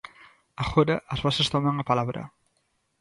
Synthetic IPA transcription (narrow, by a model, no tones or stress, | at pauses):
axoɾaʔːzβasest̪omaŋapalaβɾɐ̰